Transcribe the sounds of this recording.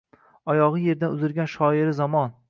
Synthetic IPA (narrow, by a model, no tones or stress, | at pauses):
ɒjɒʁɨje̞ɾd̪anʊzɪɾɡʲanʃɒɪɾɪzɒmɒn